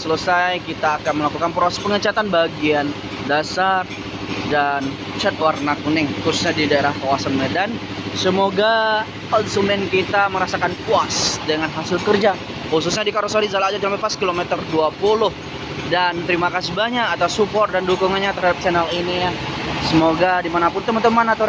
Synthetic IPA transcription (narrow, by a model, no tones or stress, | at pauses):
sələsajkit̪aːkanməlakukanpɾɔaspəŋət͡ʃat̪anbaɡian | dasar | dan | t͡ʃɛt̪̚warnakunɪŋkusu̥sɲadidaeɾahkawasanmedan | səmoɡa | kɔnsumɛnkit̪aməɾasakanpuasdəŋanɦasɪlkərd͡ʒa | hus̬us̬ɲadikaɾɔsaɾizalaad͡ʒad͡ʒampapaskilomɛt̪ərduapulʊh | dant̪əɾimakasibaɲaʔːt̪asupɔrt̚dandukuŋanɲat̪ərɦadap̚sɛnalinijasəmoɡadimanapʊnt̪əmənt̪əmanat̪o